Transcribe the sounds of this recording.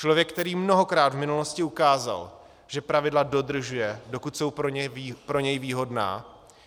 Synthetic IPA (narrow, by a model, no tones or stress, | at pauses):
t͡ʃlovjɛk̚ːt̪ɛɾiːmno̞ɦo̞kɾaːd̪vmɪnulo̞scɪukaːza̰l | ʒ̥ɛpɾavɪdlado̞d̪r̩ʒujɛdo̞kut̪so̞wpɾoɲɛpɾo̞ɲɛjviːɦo̞dna̰ː